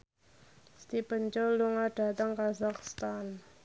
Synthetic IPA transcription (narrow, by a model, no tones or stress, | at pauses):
st̪ipənt͡ʃɔluŋaɖ̥a̤t̪aŋkazakst̪an